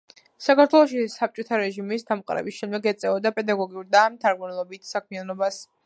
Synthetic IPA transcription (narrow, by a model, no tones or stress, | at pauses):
sakaɾt̪ʰwɛlˠɔʃisap̚t͡ʃʼɔt̪ʰaɾɛʒimisd̪amqʼɾɛ̰biʃɛnd̪ɛɡɛt̪sʼɛɔd̪apʼɛd̪aɡɔɡiuɾd̪aːmt̪ʰaɾɡunɛlˠɔbit̪ʰsakʰmianɔbas